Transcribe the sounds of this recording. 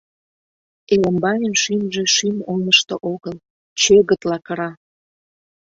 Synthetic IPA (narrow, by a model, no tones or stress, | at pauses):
eləmbɑjənʃymʒe̽ʃymonəʃt̪ə̆ʔoɣəl | t͡ɕøɣət̪lɑkəɾɑ